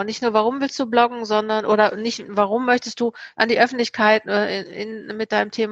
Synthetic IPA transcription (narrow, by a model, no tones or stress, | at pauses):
ʊnɪçtnuːɐvaʁʊmvɪlst̚d̥uːblɔɡŋ̩zɔndɐnʔoːɾɐnɪçtvaʁ̞ʊmːœçtəst̚d̥uːʔandiːʔœfn̩tlɪçkʰaɪtɛːʔɪnmɪt̚d̥aɪnəmtʰeːm